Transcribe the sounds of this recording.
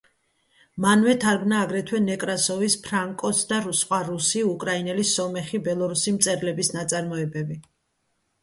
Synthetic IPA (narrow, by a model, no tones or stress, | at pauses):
manvɛt̪ʰaɾɡnaːɡɾɛt̪ʰwɛnɛkʼɾasɔvispʰɾaŋkʼɔsʰd̪aɾusχʼwaɾusiukʼɾainɛlisɔmɛχibɛlˠɔɾusimt̪sʼɛɾlɛbisnat̪sʼaɾmɔɛbɛbi